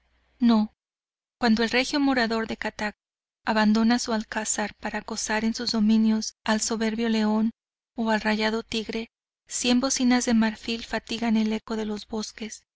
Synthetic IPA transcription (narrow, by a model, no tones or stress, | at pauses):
no̞ | kwand̪o̞e̞lre̞xjo̞mo̞ɾaðo̞ɾðe̞kat̪ak̚ | aβand̪o̞nasualkasaɾpaɾako̞saɾe̞nsuzðo̞mĩnjo̞salso̞βe̞ɾβjo̞le̞o̞n | oalraʝaðo̞t̪iɣɾe̞ | sje̞mbo̞sinazðe̞maɾfilfat̪iɣane̞le̞ko̞ðe̞lo̞zβo̞ske̞s